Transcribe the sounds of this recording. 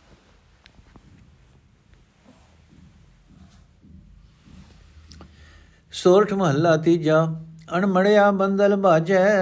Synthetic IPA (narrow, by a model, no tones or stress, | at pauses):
soːɾʈʰmɐɦəlːaːt̪id͡ʑaːɐñmɐɽejaːbɐ̃nd̪əlbaːd͡ʑɛ